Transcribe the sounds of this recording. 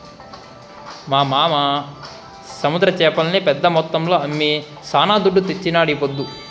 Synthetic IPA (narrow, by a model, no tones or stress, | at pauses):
maːmaːma | sɐmud̪ɾɐt͡ʃɛːpɐlɐnipɛd̪ːɐmɔt̪ːɐmlo̞ːɐmːi | saːnaːd̪uɖːut̪et͡ʃːinaːɽipod̪ːu